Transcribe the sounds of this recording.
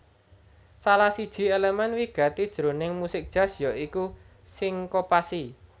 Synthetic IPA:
salahsid̥ʒ̥i̤elemɛnwiɡ̥ä̤t̪id̥ʒ̥ɾo̤nɪŋmusɪk̚d̥ʒ̥a̤sjɔʔiku | sɪŋkopasi

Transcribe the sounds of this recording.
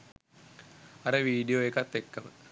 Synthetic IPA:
aɾəʋiːɖijoekat̪ːekːəmə̰

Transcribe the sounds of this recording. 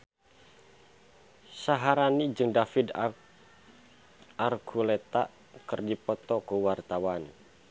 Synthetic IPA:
saɦaɾanid͡ʒɨŋdafɪd | arɡulɛt̪a̰ʔ | kɨrdipɔt̪ɔkuwart̪awan

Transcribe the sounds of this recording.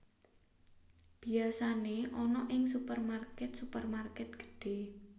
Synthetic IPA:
b̥i̤asaneʔɔnɔʔɪŋsupərmarkɛt̪supərmarkɛt̪̚ɡ̥ə̥ɖ̥e̤

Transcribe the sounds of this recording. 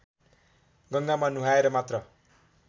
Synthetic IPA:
ɡʌŋɡamanuɦaeɾʌmat̪rʌ

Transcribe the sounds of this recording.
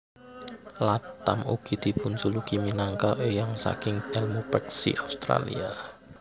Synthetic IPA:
lat̪ːamuɡ̥id̪̥ipunsulukiminaŋkalʔejaŋsa̰kɪŋɛlmupɛk̚sḭʔaust̪ɾa̰lḭa

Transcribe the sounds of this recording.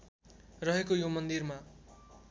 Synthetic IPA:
rʌɦekojomʌnd̪irma

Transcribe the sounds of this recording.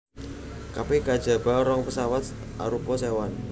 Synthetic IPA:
kapekad̥ʒ̥a̤b̥a̤ɔɾɔŋpəsawat̪ʔa̰ɾupɔsewan

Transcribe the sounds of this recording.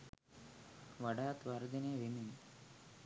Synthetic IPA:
ʋɐɖaːt̪ʋɐɾɡ̪ɐneːʋimin

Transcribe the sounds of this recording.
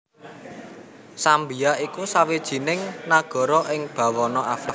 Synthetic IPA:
sambijaikusawid̥ʒ̥i̤nɪŋnaɡ̥ɔ̤ɾɔʔɪŋb̥ä̤wɔnɔafa

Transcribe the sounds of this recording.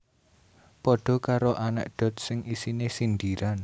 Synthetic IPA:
pɔɖ̥ɔ̤kaɾoʔanɛ̰ʔɖ̥ɔ̤t̪̚sɪŋʔisinesind̪iɾan

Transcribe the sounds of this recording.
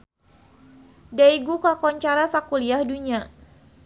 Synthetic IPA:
daiɡukakɔɲt͡ʃaɾasakuliahduɲa

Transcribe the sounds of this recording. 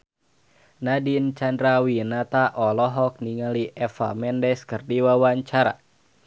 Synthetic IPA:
nadint͡ʃandɾawinat̪aʔɔlɔɦɔk̚niŋaliʔɛfa̰mɛndɛskɨrdiwawaɲt͡ʃaɾa̰

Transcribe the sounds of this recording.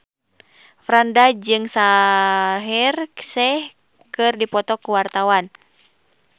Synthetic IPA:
fɾandad͡ʒɨŋsa | ɦɛrsɛh | kɨrdipɔt̪ɔkuwart̪awan

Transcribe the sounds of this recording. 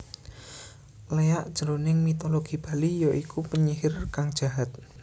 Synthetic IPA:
leaʔd̥ʒ̥əɾonɪŋmit̪oloɡ̥i̤b̥a̤lijoʔikupəɲiɦɪrkaŋd̥ʒ̥a̤ɦat̪̚

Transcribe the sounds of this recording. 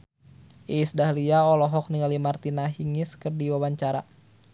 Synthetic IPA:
ʔiːsdahliaɔlɔɦɔk̚niŋalimart̪inaɦiŋɪskɨrdiwawaɲt͡ʃaɾa

